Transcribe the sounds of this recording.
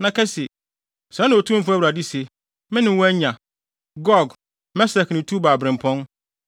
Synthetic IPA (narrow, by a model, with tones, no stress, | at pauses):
nã˨kʰɛ˦se˨ | sɾɛ̃˦nɪ̃˨o˨tʰũ˦m̩˦fæ˦wɾa˨di˦se˨ | mɪ̃˦nɪ̃˨˦wɔ˦æ˦ɲã˨ | ɡɔ˦ɡ | mɛ˦sɛ˨knɪ̃˨tʰu˦baː˨bɾɪ̃˨m̩˨pʰɔ̃˦n